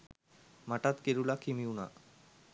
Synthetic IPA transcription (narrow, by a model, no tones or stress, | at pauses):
maʈat̪keɾulakʰimiwna̰